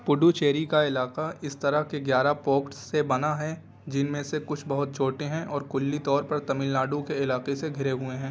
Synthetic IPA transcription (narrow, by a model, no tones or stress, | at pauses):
pʊɖut͡ʃeːɾikaɪlaːqaɪst̪ɐɾəɦkeɡjaːɾapoːkʈsːebɐnaɦɛ | d͡ʒɪnmẽsekʊt͡ʃʰbɐɦʊt̪̚t͡ʃʰoːʈeɦɛ̃ʔɔːɾkʊlːit̪ɔːɾpɐɾt̪ɐmɪlnaːɖũkeɪlaːqeseɡʱɪɾeɦʊeɦɛ̃ː